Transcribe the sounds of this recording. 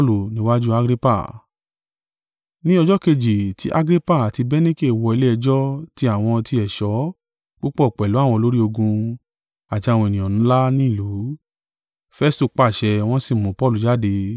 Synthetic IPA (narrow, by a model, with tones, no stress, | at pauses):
pɔ˦lu˨nĩ˦wa˦d͡ʒu˦a˧˦ɡɾi˦pa̰˦˨ | nĩ˦ɔ˧d͡ʒɔ˦ke˧d͡ʒi˨tʰi˨˦ʔa˦ɡɾi˦pa˦˨a˨ti˧bɛ˦nĩ˦ke˦˨wɔ˧i˧le˦ɛ˧d͡ʒɔ˦ti˦a˦˨w̃ɔ̃˧ti˧ɛ˨ʃɔ˨˦ | ɡ͡bo˦k͡pɔ˦ɔ˨k͡pɛ˨lu˨˦a˦˨w̃ɔ̃˧o˦ɾi˦o˧ɡũ˧ | a˨ti˧a˨w̃ɔ̃˧e˨nĩ˨ɔ̃˨nũ˨˦la˦nĩ˦i˦˨lu˨˦ | fɛ˦stu˦˧k͡pa˦˨ʃɛ˧w̃ɔ̃˦si˦˨mũ˨pɔ˦lu˨d͡ʒa˦˨de˧